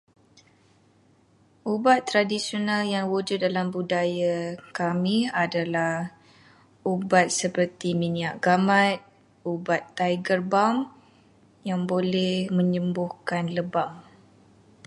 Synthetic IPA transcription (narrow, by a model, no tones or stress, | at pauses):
ʔubat̪ːɾadisionaljaŋwud͡ʒʊt̪̚dalambudajakamiadalah | ubat̪̚səpərt̪imĩniaʔɡamãt̪̚ | ubat̪ːajɡərbam | jaŋbolɛhmə̃ɲəmbʊhkanləbaŋ